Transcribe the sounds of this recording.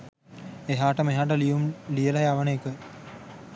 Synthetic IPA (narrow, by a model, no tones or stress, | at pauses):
eɦaːʈəmeɦaːʈəlijumlijəlajaʋənəekə